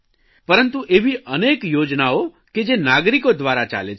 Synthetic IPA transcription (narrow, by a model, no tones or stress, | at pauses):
pəɾənt̪uʔeʋiʔənekjoːd͡ʒnao | ked͡ʒenaɡɾikod̪ʋaɾat͡ʃa̰le